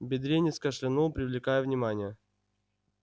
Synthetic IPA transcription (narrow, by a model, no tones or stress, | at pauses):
bʲɪd̪ɾʲenʲɪskəʂlʲɪnopɾʲɪvlʲɪkajəvnʲɪmanʲɪjə